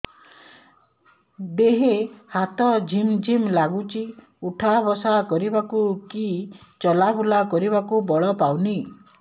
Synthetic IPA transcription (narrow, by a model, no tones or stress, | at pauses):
d̪eɦehat̪ɔd͡ʒʱimd͡ʒʱimlaɡut͡ʃʰi | uʈʰabɔsakɔɾibakukit͡ʃɔlabʱulakɔɾibakubɔɭɔpawni